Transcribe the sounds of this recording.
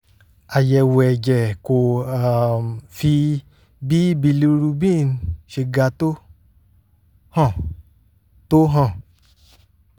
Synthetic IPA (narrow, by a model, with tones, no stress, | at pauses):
a˨jɛ˧˨wɛ˨d͡ʒɛ˨ko˨a˨mfi˧ | bi˦bi˧li˧ɾu˧bi˦˨n˧ʃe˧ɡa˨˧˦to˦ | hã˦˨ | to˦ɦã˦˧˨